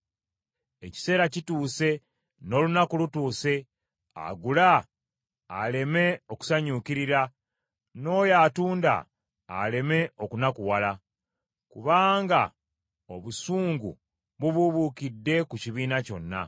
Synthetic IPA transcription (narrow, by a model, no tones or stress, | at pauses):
e̞ci̥se̞ːɾacituːse̞ | no̞ːlunakulutuːse̞ | a̰ɡulaː | le̞me̞o̞ku̥saɲukiɾiɾa | no̞ːjaːtuːnda̰ː | le̞me̞okunakuwala | kuβaːŋɡa | o̞βusuːŋɡṵ | βuβuβukidːe̞kuciβiːnaco̞̰nːa̰